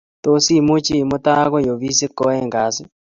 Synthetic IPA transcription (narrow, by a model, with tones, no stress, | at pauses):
t̪o˦si˦˨mu˦t͡ʃi˦˨mu˦t̪a˦kɔ˦jo˨ʋi˦si˦kɔ˦ɛ˦ŋɡa˨si˦